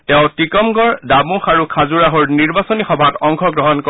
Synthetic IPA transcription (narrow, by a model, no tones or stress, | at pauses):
tɛʊ̃tikɔmɡɔɹdabũxaɹukʰazuɹaɦɔɹniɹbasɔnixɔbʱatɔŋkʰɔɡɹɔɦɔnkɔ